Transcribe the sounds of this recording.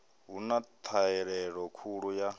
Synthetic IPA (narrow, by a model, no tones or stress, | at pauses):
ɦunat̪ʰaɛɺɛɺɔkʰuɺuja